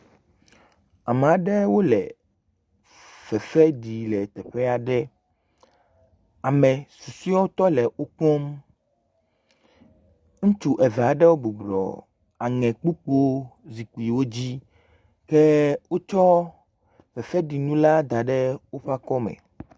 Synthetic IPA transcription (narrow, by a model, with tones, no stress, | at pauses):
a˨m˨a˨ɖɛ˦wo˦lɛ̰˨ | v̥ɛ˨fɛ˦ɖi˨lɛ˨t̪ɛ˨ɸɛ˦a˨ɖɛ˦ | a˨mɛ̃˨su˨si˦ɔ˦wo˦t̪ɔ˦lɛ˨ʔo˦k͡pɔ˦m | ŋũ˦t͡ʃu˦ʔɛ˨vɛ˨a˨ɖɛ˦wo˦bo˨blɔ̰˨ | a˨ŋɛ̃˨k͡pu˦k͡po˦zi˨ku˨i˨wo˦d͡ʑi˦ | kɛ˦wo˦t͡ʃɔ˦ | vɛ˨fɛ˦ɖi˨nũ˦la˦d̪a˨ɖɛ˦wo˦ɸa˦kɔ˦mɛ̰̃˨